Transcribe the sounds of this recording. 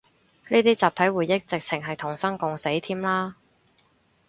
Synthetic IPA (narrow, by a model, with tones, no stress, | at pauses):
niː˥t̪iː˥t͡saː˨p̚t̪ʰɐ˨˥jwuː˨˩jːɪ˥k̚t͡sɪ˨k̚t͡sʰɪ˨˩ŋɦɐ˨jt̪ʰʊ˨˩ŋsɐ˥ŋkʊ˨ŋse˨˥jt̪ʰiː˥mlaː˥